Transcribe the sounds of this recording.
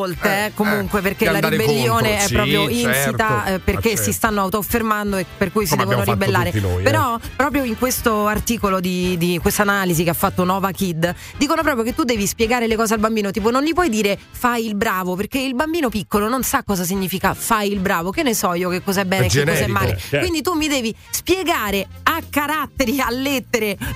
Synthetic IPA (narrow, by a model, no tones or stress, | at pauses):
olt̪eɛkomuŋkweperkelaɾiibelːjoːneɛpɾɔːpɾjoinsit̪aɛperkesːist̪anːoawt̪ofːermand̪oepːerkujs̬id̪ɛːvonoɾiibelːaːɾepeɾɔpːɾɔːp̬ɾjoiŋkwest̪oart̪iːkolod̪id̪ikwest̪analizikeafːat̪ːonɔːvakid̪ | d̪iːkonop̬ɾɔːpɾjok̬et̪ːud̪ːɛːvispjeɡaːɾelekɔːzealbambiːnot̪iːpononʎipwɔjd̪iːɾe | fajilbɾaːvoperkeilbambiːnopikːolononsakːɔːzas̬iɲːiːfikafajilbɾaːvokenːesɔjokekːɔːzaɛbːɛːnekːekːɔzzaɛmːaːlekwind̪it̪umːid̪ɛːvi | spjeɡaːɾeakːaɾat̪ːeɾialːet̪ːeɾe